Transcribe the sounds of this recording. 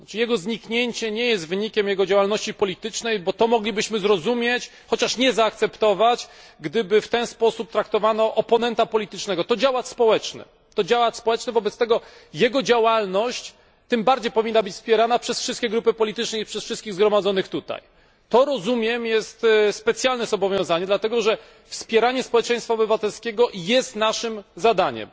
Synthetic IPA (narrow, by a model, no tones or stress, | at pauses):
t͡ʂjɛɡɔzɲikɲeɲt͡ɕɛɲɛjɛs̬t̪vɘɲikʲɛmjɛɡɔd͡ʑawalnɔɕt͡ɕipɔlʲit̪ɘt͡ʂnɛjbɔt̪ɔmɔɡlʲibɘɕmɘzɾɔzumʲjet͡ɕ | xɔt͡ɕaʂɲɛzaːk̚t̪sɛpt̪ɔvat͡ɕɡd̪ɘbɘft̪ɛnspɔsup̚t̪ɾak̚t̪ɔvanɔʔɔpɔnɛnt̪apɔlʲit̪ɘt͡ʂnɛɡɔt̪ɔd͡ʑawat̪spɔwɛt͡ʂnɛ̰ | t̪ɔd͡ʑawat̪spɔwɛt͡ʂnɛvɔbɛt̪st̪ɛɡɔjɛɡɔd͡ʑawalnɔɕt͡ɕ | t̪ːɘmbaɾd͡ʑejpɔvʲinːabɘt͡ɕfspʲjɛɾanapʂɛsfʂɘst̪̚kʲɛɡɾupɘpɔlʲit̪ɘt͡ʂnɛipʂɛsfʂɨst̪kʲiɣzɡɾɔmad̪zɔnɘxt̪ut̪a̰j | t̪ɔɾɔzumʲjɛmjɛst̪spɛt̪sʲjalnɛzɔbɔvʲjɔ̃w̃zaɲɛd̪lat̪ɛɡɔʐɛ | fspʲjɛɾaɲɛspɔwɛt͡ʂɛ̃j̃st̪faɔbɘvat̪ɛlskʲeɡɔjɛst̪naʂɘmzad̪aɲɛ̰m